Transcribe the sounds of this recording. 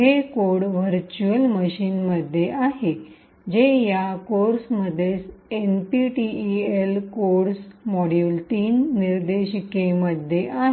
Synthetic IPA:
ɦekoɽʋəɾt͡ɕuəlməɕiːnməd̪ʱːjeʔaɦe | d͡ʑejakoɾsməd̪ʱjesenpiʈielkoɽsmɔɽjult̪iːnːiɾd̪eɕikeməd̪ʱjeʔaɦe

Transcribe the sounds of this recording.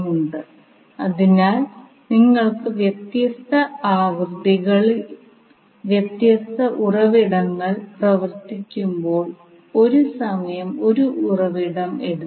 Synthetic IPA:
uɳɖɨ | ɐðinaːl | niŋːɐɭkɨʋjet̪jɐst̪ɐaːʋrd̪ʱiɣɐɭi | ʋjet̪jɐst̪ɐʔurɐʋiɽɐŋːɐɭprɐʋɐrt̪ikʲːumbo̞ːɭ | o̞ɾusɐmɐjɐmo̞ɾuʔurɐʋiɽɐme̞ɽu

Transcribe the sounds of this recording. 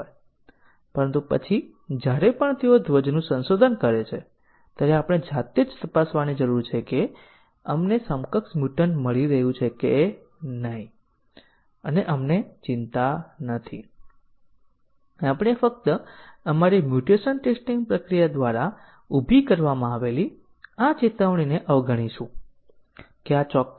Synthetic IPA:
ɦoj | pəɾənt̪upə̰t͡ʃʰi | d͡ʒjaɾepəɳt̪eod̪ʱʋəd͡ʒnũsə̃nsod̪ʱənkəɾet͡ʃʰe | t̪jaɾeapəɽ̃ed͡ʒat̪ed͡ʒt̪əpasʋanid͡ʒəɾuɾt͡ʃʰeke | əmnesəmkəksmjuʈənməɭiɾəɦjũt͡ʃʰekeː | nəɦĩ | əneʔəmnet͡ʃɪnt̪anət̪ʰi | apəɽ̃efək̚t̪əəmaɾimjuʈeʃənʈesʈĩŋɡ̚pɾəkɾijad̪ʋaɾa | ubʱikəɾʋamãaʋeli | at͡ʃit̪əʋɽ̃ineʔəʋɡʱəɽ̃iʃũ | keat͡ʃɔ

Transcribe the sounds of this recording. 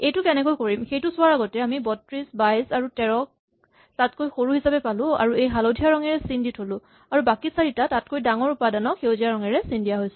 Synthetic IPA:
ejtʊkɛnɛkojkoɹimxejtʊsʊaɹaɡɔtɛamibɔtɹisbajsaɹutɛɹɔk̚ | tat̚kojxoɹuhisapɛpalʊ̃a̰ɹuejɦalodʱijaɹɔŋɛɹɛsinditʰolʊ̃ | aɹubakisaɹitatat̚kojdaŋɔɹupadanɔkxewzijaɹɔŋɛɹɛsindijaɦojsʊ

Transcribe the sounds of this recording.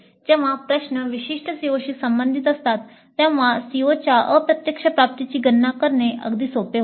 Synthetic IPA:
d͡ʑeʋ̤apɾəɕɳəʋiɕiʂʈʰəsioɕiːsəmbənd̪ʱit̪əst̪at̪ː | ɛ̃ʋãsiot͡ɕjaʔəpɾət̪jəkʂəpɾap̚t̪it͡ɕiːɡənːakəɾɳeʔə̰ɡd̪iːsopeɦ

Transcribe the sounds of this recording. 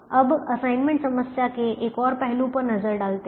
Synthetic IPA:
əbəsainmẽɳʈsəməsjakeʔekɔːɾpɛɦlũpəɾnəd͡zəɾɖalt̪e

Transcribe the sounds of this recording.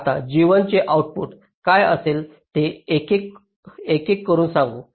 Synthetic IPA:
t̪ad͡ʑiʋənt͡ɕeʔawʈ̚pṵʈ | kajə̰sel | t̪eekek | ekekːəɾuːnsãŋɡu

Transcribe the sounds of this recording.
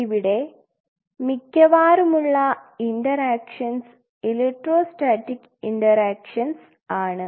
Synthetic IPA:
iʋiɽe̞ | mikʲːɐʋaːɾumuɭːɐiɳɖɐɾaːkʂɐns | ileʈːroːsʈaːʈːikː | iɳɖɐɾaːkʂɐns | aːɳɨ

